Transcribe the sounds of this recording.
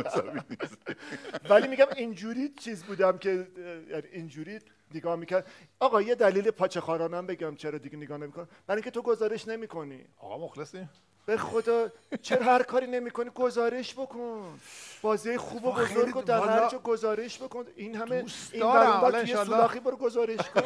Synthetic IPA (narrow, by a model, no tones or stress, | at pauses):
sævinis | væliːmiɡʲæmind͡ʒuːɾiːt͡ʃʰiːzbuːd̪æmkʰe̞jæniʔind͡ʒuːɾiː | neɡɒːhmicʰæɾd̪ | ɒːɣɒːje̞d̪æliːlepʰɒːt͡ʃʰexɒːɾɒːnæmbe̞ɡæmt͡ʃʰeɾɒːd̪iɡeneɡɒːhnemikʰon | b̥æɾiŋkcʰet̪ʰoɡo̞zɒːɾe̞ʃne̞miːkʰo̞nḭːɣɒ̰moxlesi | b̥exod̪ɒːt͡ʃʰeɾɒhæɾkʰɒːɾiːne̞miːko̞niːɡo̞zɒːɾe̞ʃbo̞kʰonb̥ɒːzijɑjexuːbo̞bo̞zoɾɡod̪æɾhæɾd͡ʒɒːɡo̞zɒːɾe̞ʃbo̞koninhæmeinmæɾbæujeulɒːxiːbɒɾɡozɒːɾe̞ʃkʰon